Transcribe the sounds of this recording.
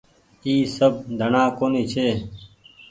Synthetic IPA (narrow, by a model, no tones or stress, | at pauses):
iːsəb̚d̪ʱənãːkoːniːt͡ʃʰeː